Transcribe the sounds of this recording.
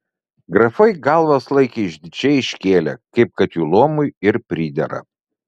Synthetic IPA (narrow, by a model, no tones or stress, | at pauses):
ɡɾɐfɐɪɡɐlˠʋɐslˠɐɪkʲiɪʒʲd̪ʲɪt͡ʃʲɛɪɪʃʲkʲeːlʲɛ̰kɐɪp̚kɐt̪juːlˠoːmʊjɪɾpʲɾʲiːd̪ʲɛ̰ɾɐ̰